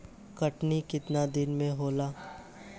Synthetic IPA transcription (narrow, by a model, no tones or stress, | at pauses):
kɐʈnikɪt̪nad̪ɪnmẽɦoːlaː